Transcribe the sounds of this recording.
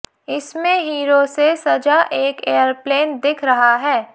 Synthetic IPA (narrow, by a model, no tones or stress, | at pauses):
ɪsmẽɦiːɾosesɐd͡ʒaʔeːkeːjəɾpleːnd̪ɪkʰɾɐɦaɦɛː